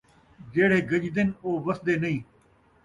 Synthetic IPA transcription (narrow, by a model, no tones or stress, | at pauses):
d͡ʑeːɽ̤eːɡɐd͡ʑd̪ɪnoːʋɐsd̪eːnɐĩː